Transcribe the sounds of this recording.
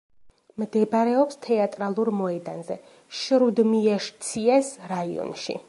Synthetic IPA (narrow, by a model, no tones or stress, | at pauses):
md̪ɛbaɾɛɔpst̪ʰɛat̪ʼɾalˠuɾmɔɛd̪anzɛ̰ | ʃɾud̪miɛʃt̪sʰiɛsɾaiɔ̰nʃḭ